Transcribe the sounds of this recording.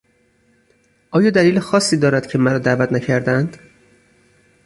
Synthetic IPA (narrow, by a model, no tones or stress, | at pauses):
ʔɒːjɒːd̪æliːlexɒːsːiːd̪ɒːɾæd̪̥cʰe̞mæɾɒːd̪æːvæt̪næcʰæɾd̪ænd̪̥